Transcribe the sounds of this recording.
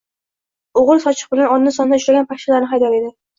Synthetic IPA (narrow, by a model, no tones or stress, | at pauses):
oʁɨlˠsɒt͡ʃʰɪ̥q̚bɪlanɒnnɪsɒnaʊʃɾaɡʲanpʰakʲʃalaɾnɪɦajd̪aɾe̞d̪ɪ